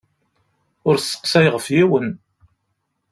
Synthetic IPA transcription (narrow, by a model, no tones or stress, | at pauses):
ʊɾsːə̥qsæjʁəfjiwən